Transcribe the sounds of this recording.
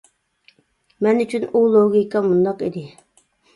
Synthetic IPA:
mɛnyt͡ʃʰynulˠoɡʲikɑmund̪ɑqid̪ɪ

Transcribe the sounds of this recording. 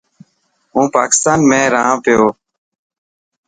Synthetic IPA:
ɦũːpa̰ːkɪ̥st̪aːnmẽːɾãːpɪjoː

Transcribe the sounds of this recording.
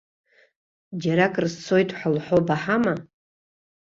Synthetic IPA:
d͡ʒaɾakʼrzt͡sʰo̞jtʼħʷalħobaħama

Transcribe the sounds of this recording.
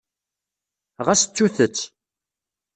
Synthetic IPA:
ʁæsət͡sːuθət͡sː

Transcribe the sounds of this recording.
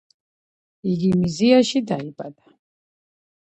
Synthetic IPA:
iɡimiziaʃid̪aibʼad̪a

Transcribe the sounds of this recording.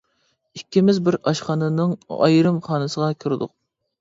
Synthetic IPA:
ikʲːimɪzbɪɾɑʃχɑnɨnɨŋɑ̰jɾɨmχɑːnɨsəʁɑkʲʰyɾd̪ʊq̚

